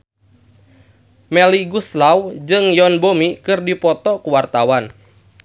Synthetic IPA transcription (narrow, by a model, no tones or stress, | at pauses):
mɛliɡuslawd͡ʒɨŋjɔnbomikɨrdipɔt̪ɔkuwart̪awan